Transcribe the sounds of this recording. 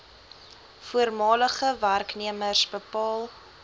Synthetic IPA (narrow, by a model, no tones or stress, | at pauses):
fuərmɑːləχəværkniəmərsbəpɑːlˠ